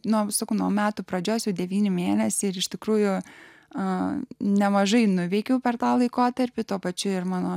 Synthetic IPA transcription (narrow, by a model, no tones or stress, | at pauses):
nuɔsɐkɐʊnuɔmʲæːt̪ʊpɾɐd͡ʒʲoːsjɛʊdʲɛʋʲiːnʲɪmʲeːnʲɛsʲɪɪɾɪʃʲt̪ʲɪkɾuːjʊ | ɐnʲɛmɐʒɐɪnʊʋʲɛɪkʲɛʊpʲɛrt̪ɑːlˠɐɪkoːt̪ɐɾʲpʲɪt̪uɔpɐt͡ʃʲʊɪrmɑːnoː